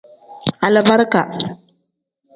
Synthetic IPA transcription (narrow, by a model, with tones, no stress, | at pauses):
a˨la˨ba˦ɾka̰˨